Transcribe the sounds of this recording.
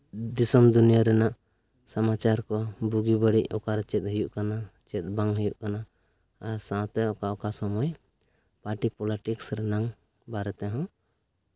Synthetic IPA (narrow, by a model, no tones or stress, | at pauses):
d̪isɔmd̪unijaɾɛnaʔ | samat͡ʃaɾkɔbuɡibəɽiʔɔkaɾt͡ʃɛt̪̚ˀɦəjuʔkanat͡ʃɛt̪̚ˀbaŋɦəjuʔkanaː | ɾsãt̪ɛɔkaɔkasɔmɔj | paʈipɔliʈiksɾɛnaŋ | baɾɛt̪ɛɦɔ̃